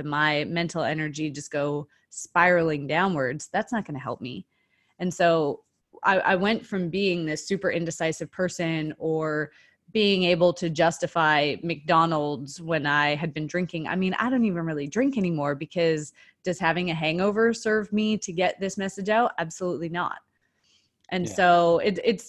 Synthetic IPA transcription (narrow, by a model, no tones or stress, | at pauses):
ɨmaɪmɛ̃ntʰˡl̩ˠɛnə˞d͡ʒid͡ʒʌsɡ̥oʊ | spaɪɹl̩ˠɪ̃ŋdãʊ̃nwə˞dz̥ðætsnət̚ɡ̥ʌñɨɦɛ̰lˠp̚mḭ | ɨ̃nsoʊ | ʔa̰ɪʔa̰ɪwɛ̃ntfɹʌ̃mbiɪ̃ŋðɪsʉpə˞ʔɪ̃ndɨsaɪsɨv̥pʰɜ˞sɨ̃nə˞ | biɪ̃ŋeɪbl̩ˠtʰɨd͡ʒʌstɨfaɪmɨk̚d̥ɑnl̩ˠdz̥wɨ̃naɪɨd̚bɨ̃ndɹɪ̃ŋkɪ̃ŋa̰ɪmĩna̰ɪɾõʊ̃ntivɨ̃nɹɪlˠidɹɪ̃ŋkɛnimɔɹbɨkʰʌz | d̥ʌz̥hævɪ̃ŋɨɦæ̃ŋoʊvə˞sɜ˞vmiɾɨɡɛt̪̚ðɪsmɛsɨd͡ʒaʊtæb̥səlutˡlinə̰t̚ | ʔɨ̃nsoʊɪtɪts